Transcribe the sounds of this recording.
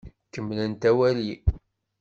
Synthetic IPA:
kəmːlənt̪æwæli

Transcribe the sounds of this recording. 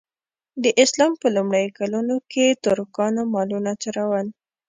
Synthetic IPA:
d̪əʔɪslɑmpəlumɽajkalunokʰet̪ʊɾkɑnamɑlunat͡ʃaɾawəl

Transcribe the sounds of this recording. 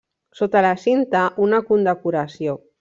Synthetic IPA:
sot̪alasint̪aʔunakund̪akuɾasjo

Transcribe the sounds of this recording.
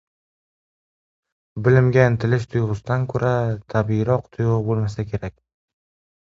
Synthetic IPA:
bɪlɪmɡʲant̪ʰɪlɪʃt̪ʰʊjʁʊsd̪ankʰɵɾʔat̪ʰabiɾɒqt̪ʰʊjʁbolˠmasakʲʰe̞ɾakʲ

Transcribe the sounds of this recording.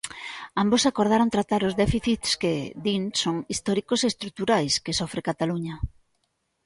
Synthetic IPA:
ambosakoɾðaɾont̪ɾat̪aɾʊzðɛfiθit̪sked̪insoŋist̪ɔɾikosest̪ɾut̪uɾajskesofɾekat̪aluɲɐ

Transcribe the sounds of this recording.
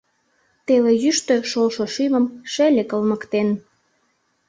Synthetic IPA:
t̪elejyʃt̪ø̆ʃolʃoʃyməmʃelʲekəlməkt̪en

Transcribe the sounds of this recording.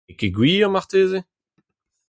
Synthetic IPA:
keɡwiːɔ̃maʁt̪eːze

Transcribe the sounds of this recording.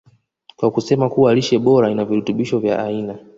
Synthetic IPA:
kwakusɛmakuwaliʃɛɓɔɾainavihutuɓiʃɔvja̰ʔaina

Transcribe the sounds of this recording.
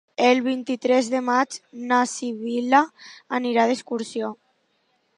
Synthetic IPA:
elβint̪it̪ɾɛzðemad͡ʒnasiβilaːniɾaðeskuɾsio

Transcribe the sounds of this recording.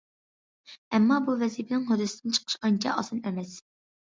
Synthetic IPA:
ɛmːɑːbuvɛzipʰɪnɪŋɦod̪ɨsɨ̥d̪ɨnt͡ʃʰə̥qʰə̥ʃɑnt͡ʃʰɑ̰ʔɑ̰sɨnɛmɛs

